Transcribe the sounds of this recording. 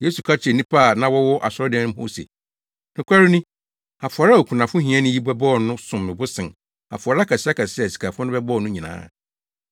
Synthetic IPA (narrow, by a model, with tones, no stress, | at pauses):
jeː˦su˨kʰa˦t͡ɕʰɪ˨ɛ˨nĩ˦pʰa˦˨nã˦wɔ˦wɔ˦ʔa˨sʊ˦ɔ˦dɛ̃˦nʊ̃˦ho̰˦sḛ˨ | nɪ̃˦kʰʷa˦ɾɪ˦nĩ˦ | a˨fa˨ɾa˦˨o˨kʰũ˨nã˨fʊ̃˦ɦĩ˨˦ã˦nʊ̃˦ji˦bɛ˦bɔː˦˨nʊ̃˦sʊ̃˨mːɪ̃˨bʊ˦sɪ̃˨n | a̰˨fʊ˨a˨ɾa˦kʰa˨sɪ˦a˦kʰa˨sɪ˦a˨si̥˨kʰa˨fʊ̃˦nʊ̃˦bɛ˦bɔː˦˨nʊ̃˦ɲĩ˨nã̰ː˨˦